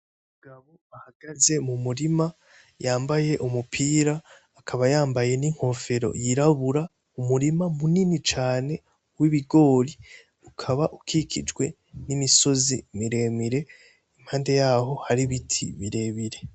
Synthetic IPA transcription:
ummuɡaβo̞ahaɡ̥aze̞mumuɾima | jaːmbaje̞ʔumupʰiːɾaː | kʰaβajaːmbaje̞niŋ̥ho̞ːfe̞ɾo̞̰jiɾaβuɾa | umuɾimamuninit͡ʃaːne̞ | wiβiɡo̞ːɾi | ukʰaβaʔukʰikʰḭd͡ʒɡwe̞ | nimiso̞zimiɾe̞ːmiɾe̞ | im̥haːnde̞jaːɦo̞haɾiβitʰḭβiɾe̞ːβiɾe̞

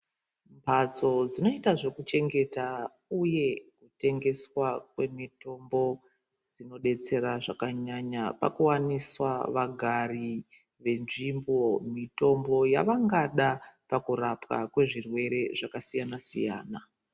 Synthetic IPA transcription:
mpʰat͡so̞d͡zino̞itaʐe̞kut͡ʃe̞ŋɡe̞ta | uje̞kute̞ŋɡe̞swakwe̞mito̞mbo̞ | d͡zino̞ɗe̞t͡se̞ɾaʐakaɲaɲapa̰kuwaniswaʋaɡʱari | ʋe̞nʐimbomito̞mbo̞jaʋaŋɡaɗapakuɾapka̰kwe̞ʐirwe̞ɾe̞ʐakasijanasḭja̰ːna

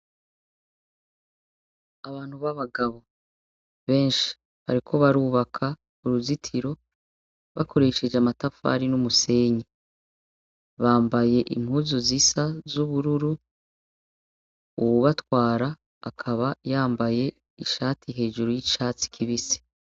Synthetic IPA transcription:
aβaːn̥huβaβaɡaβo̞ | βe̞ːnʃi̥ | βa̰ɾikʰo̞βaɾuːβakʰa | uɾuzitʰiɾo̞ | βako̞ɾe̞ʃe̞d͡ʒeamatafa̰ɾinumuse̞ːɲe | βaːmbaje̞ʔḭm̥huːzozisazuβuɾuɾu | uβuβatwaːɾaː | kʰaβajaːmbaje̞ | iʃaːtiɦe̞ːʒuɾojiʃaːt͡si̥kʰiβisi̥

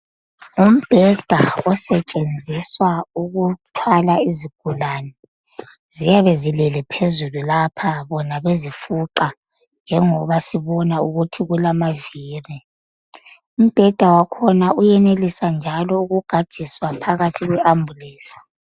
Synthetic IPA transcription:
um̩b̥ʱɛd̥ʱaɔsɛt͡ʃʼend͡zʱiswauɣutʰwalaiziɡ̥ʱulaːnɛ | zijaβezilɛlɛpʰezululapʰaβɔnaβezifuǃa | nd͡ʒʱɛŋɔβasiβɔnauɣutʰiɣulamaviːri | um̩b̥ʱɛd̥ʱawakʰɔnaujɛnelisand͡ʒʱalɔuɣuɡ̥ʱad̥ʱiswapʰaɣatʰiɣwɛʔambʱuleːsi̥

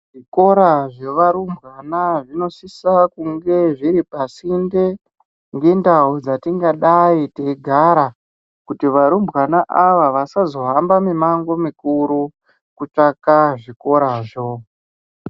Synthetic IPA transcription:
ʐ̥iko̞ɾaʐe̞ʋaɾumbɣanaʐino̞sisakuŋɡe̞ʐiɾipasinde | ŋɡe̞ndaud͡zatiŋɡaɗaiteɡʱaɾa | kutiʋaɾumbɣanaʔaʋaʋasazo̞ɦambamimaŋɡo̞mikuɾu | kut͡ʂakaʐiko̞ɾaʐo̞

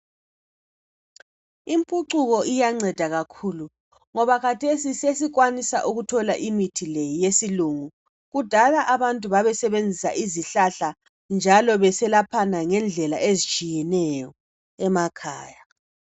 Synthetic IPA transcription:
impʼuǀuɣɔʔijaŋ͡ǀɛd̥ʱaɣakʰulu | ŋɔβakʰatʰesises̬iɣwanisa̰ʔuɣutʰɔlaʔimitʰilɛjesiluŋu | ɣud̥ʱalaʔaβantʼuβaβɛsɛβend͡zʱisa̰ʔiziɬaɬa | nd͡ʒʱalɔβɛsɛlapʰanaŋɛnd͡ɮʱɛla̰ʔezit͡ʃʼijɛnɛjɔ | ɛmakʰaːja

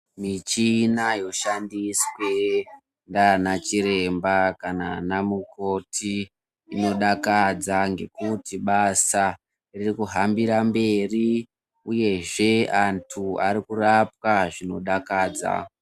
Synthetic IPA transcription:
mit͡ʃinajo̞ʃandiswe̞ | ndanat͡ʃiɾe̞mbakananamuko̞tʰiː | no̞ɗakad͡zaŋɡe̞̰kutiɓasa | ririkuɦambiɾambe̞ri | uje̞ʐe̞antʰuaɾikurapwaʐino̞ɗakaːd͡za̰

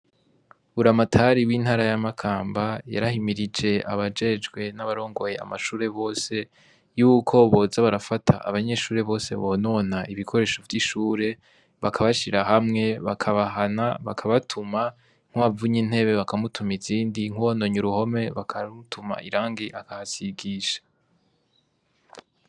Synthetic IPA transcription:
uɾamatʰaɾiwiːn̥haːɾajamakʰaːmbaja̰ɾahimiɾid͡ʒe̞ʔa̰βad͡ʒe̞d͡ʒɡwe̞naβaɾo̞ːŋɡo̞je̞a̰maʃuːɾe̞βo̞ːse̞ | juːkʰo̞βozaβaɾafatʰa̰ʔːβaɲe̞ʃuːɾe̞βo̞ːse̞̰βo̞no̞naʔiβikʰo̞ɾe̞ːʃo̞vjiʃuːɾe̞ | βakʰaβaʃiɾaɦamŋe̞βakʰaβaɦanaβa̰kʰaβatʰuma | ŋ̥uβavuɲinhe̞βe̞βakamutʰumiziːndiŋ̥uono̞ɲuɾuho̞me̞βakʰautuma̰ʔiɾaːŋɡiʔakahasiɡiːʃḁ

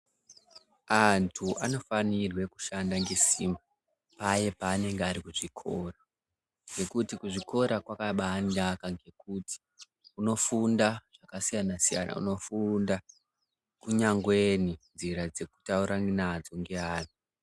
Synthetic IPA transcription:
antʰuʔano̞fanirwe̞kuʃandaŋɡe̞sima | paje̞paːne̞ŋɡeaɾikuʐikʰoːra | ŋɡe̞kutikuʐiko̞ɾakwakaɓandakaŋɡe̞kuti̥ | uno̞fundaʐ̥akasijanasija̰nʔa̰ṵno̞funda | kuɲaŋɡwe̞ninziɾad͡ze̞ku̥tauɾaŋɡnad͡zoŋɡeaːni

